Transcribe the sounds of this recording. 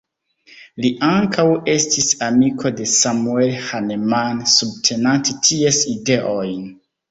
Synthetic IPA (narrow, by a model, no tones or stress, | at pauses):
liʔaŋkʰawe̞stisamikʰo̞de̞samue̞lhanemansub̚tʰe̞nantetʰiesideʔojn